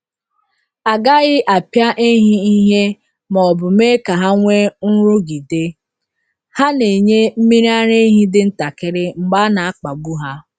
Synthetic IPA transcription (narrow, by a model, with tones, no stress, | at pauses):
a˨ɡa˦ɣɪ˦ʔa˨pja˦ʔe˦ɦi˦i˦ɦe˦ | mɔ˨bʊ˨me˦ka˨ɦa˦ŋʷe˦n̩˦ɾʊ˦ɡi˨de˦ | ha˦ne˨ɲe˦m̩˦mi˦ɾi˦a˦ɾe˦ɦi˦dɪ˨n̩˦ta˨kɪ˦ɾɪ˦ŋ͡m̩˨ɡ͡ba˦na˨a˦k͡pa˨ɡu˦ɦa˦